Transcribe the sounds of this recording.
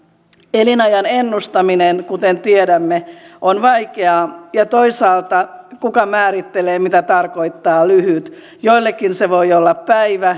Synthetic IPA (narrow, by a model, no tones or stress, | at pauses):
elinɑjɑnenːust̪ɑminenkut̪ent̪iedæmːeʔonʋɑikeɑjɑt̪oisɑːlt̪ɑkukɑmæːɾit̪ːeleːmit̪æt̪ɑrkoit̪ːɑːlyhyt̪ | joilːekːinseʋoiolːɑppæiʋæ